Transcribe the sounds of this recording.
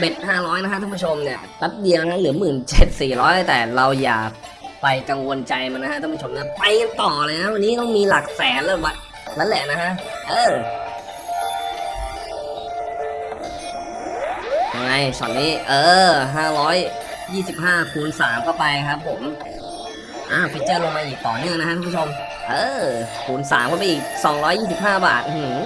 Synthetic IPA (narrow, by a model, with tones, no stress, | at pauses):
be˨˩t̪̚haː˥˩ɾɔː˦˥jna˦˥kʰa˦˥t̪ʰa˥˩˨pu˥˩t͡ɕʰo˧mni˥˩ɐt̪a˦˥t̪̚di˧n˧kʰa˧˥˩lɯ˩˦mɯː˨˩nt͡ɕe˨˩t̪̚siː˨˩ɾɔː˦˥jla˧˥˩t̪ɛː˨˩ɾa˧wja̰ː˨˩kpa˧jka˧ŋwo˧nt͡ɕa˧jma˧nːa˥kʰa˦˥t̪ʰːpu˥˩t͡ɕʰo˧mna˧˥˩pa˧jka˧nt̪ɔː˨˩lɤː˧jaa˦˥wa˧nːiː˦˥t̪ɔː˥˩ŋmiː˧la˨˩k̚sɛː˨˦nlɛ˧˩wa˦˩t̪̚ | maː˦˥lɛ˨˩na˦˥kʰa˦˥ʔʔɤː˧˩ | t͡ɕa˧ŋa˧jsɔ̰˨˩nːiː˦˥ʔɤː˧˩ɦaː˥˩ɾɔː˦˥j | jiː˥˩si˨˩p̚ɦaː˥˩pʰuː˩˦nsaː˩˦mkʰɔː˥˩pa˧jkʰa˦˥p̚ʰːo˩˦m | ʔaː˧˩pʰi˨˧t͡ɕɤː˥˩lo˧ŋmaː˧ʔiː˨˩k̚t̪ɔ̰ː˨˩nɯ˥˩əŋnʰ˧˦˥a˥kʰa˧˥pʰu˥t͡ɕʰo˧m | ʔɤː˧˩pʰuː˩˦nsa̰ː˩˦mkʰɔ˥˩pa˧ʔiː˨˩k̚sɔː˨˩˦ŋɾɔː˦˥jiː˥˩s̬i˨˩p̚ɦaː˥˩ba̰ː˨˩t̪̚ʔu˧˩hɯ˩˦